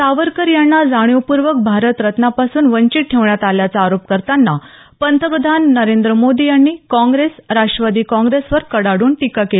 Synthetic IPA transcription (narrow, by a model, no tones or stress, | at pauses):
saʋəɾkəɾjaɳːad͡zaɽ̃jopuɾʋək̚bʱaɾət̪ɾət̪napasuːnʋəɲt͡ɕiʈ̚ʈʰeʋɳjat̪aljat͡saːɾop̚kəɾt̪anːa | pənt̪əpəd̪ʱanːəɾend̪ɾəmod̪ijanːiːkɔ̃ŋɡɾesɾaʂʈɾəʋad̪iːkɔ̃ŋɡɾesʋəɾkəɽaɽuːnʈikakel